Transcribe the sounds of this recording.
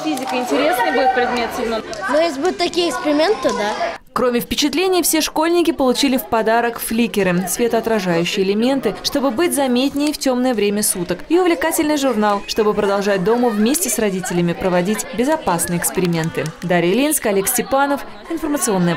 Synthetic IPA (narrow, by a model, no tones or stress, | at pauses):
fʲizʲɪkəɪnʲtʲɪɾʲesnɨjbudʲɪt̪pɾʲɪd̪mʲet̪sʲnonojesʲlʲɪbud̪ʲʊt̪t̪ːɐkʲijəɪkspʲɪɾʲɪmʲent̪ːəd̪a | kɾo̞mʲɪfpʲɪt͡ɕɪt̪lʲenʲɪjəfsʲe̞ʂko̞lʲnʲɪkʲɪpəlˠʊt͡ɕilʲɪfpɐd̪aɾəkflʲikʲɪɾɨsvʲe̞t̪əɐt̪ɾɐʐajʉɕːɪjɪlʲɪmʲe̞nt̪ɨʂt̪o̞bɨbɨtʲzɐmʲet̪ʲnʲɪjftʲo̞mnəjəvɾʲemʲəsut̪əkiʊvlʲɪkatʲɪlʲnɨjʐʊrnalˠʂt̪o̞bɨpɾəd̪ɐlˠʐat̚ʲd̪o̞məvmʲesʲtʲɪsrɐdʲitʲɪlʲɪmʲɪpɾəvɐdʲitʲbʲɪzɐpasnɨjəɪkspʲɪɾʲɪmʲe̞nt̪ɨd̪aɾʲɪjlʲinskɐlʲeksʲtʲɪpanəf | ɪnfərmət̪sɨo̞nːɨjə